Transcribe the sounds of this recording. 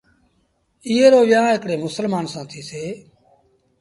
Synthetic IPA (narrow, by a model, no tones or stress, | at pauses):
iːeːɾoːʋɪjãːɪkɽeːmʊsəlmaːnsãːt̪ʰiːseː